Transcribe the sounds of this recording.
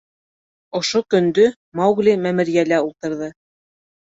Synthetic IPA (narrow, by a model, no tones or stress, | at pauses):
ŏʃokɵ̆nd̪ɵ | mɑwɣlimæmɘ̆ɾjælæulˠt̪ɤ̆ɾðɤ